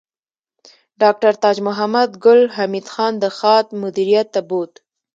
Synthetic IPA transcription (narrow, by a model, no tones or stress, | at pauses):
ɖɑk̚ʈaɾt̪ɑd͡ʒmʊɦamad̪ɡʊlɦamid̪xɑnd̪əxɑt̪̚mʊd̪iɾijat̪ːabot̪